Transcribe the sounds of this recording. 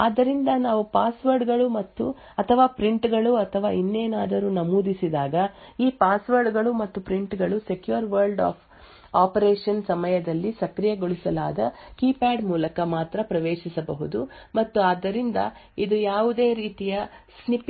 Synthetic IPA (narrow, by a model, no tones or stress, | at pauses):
a̰ːd̪ːɐɾind̪ɐnaːʋupaːsʋɐɾɖɡɐɭumɐt̪ːu | ɐt̪ʰɐʋaːpɾiɳʈɡɐɭuɐt̪ʰɐʋa̰ːinːeːnaːd̪ɐɾuːnɐmuːd̪isid̪aːɡɐiːpaːsʋɐɾɖɡɐɭumɐt̪ːupɾiɳʈɡɐɭuse̞kjuɐɾʋɐɾlɖa̰ːpʰ | aːpɐɾeːʂɐnsɐmɐjɐd̪ɐlːisɐkɾijɐɡoɭisɐlaːd̪ɐkiːpaːɖmuːlɐkɐmaːt̪ɾɐpɾɐʋeːʃisɐbɐɦud̪umɐt̪ːuaːd̪ːɐɾind̪ɐid̪ujaːʋud̪e̞ːɾiːt̪ijɐsnip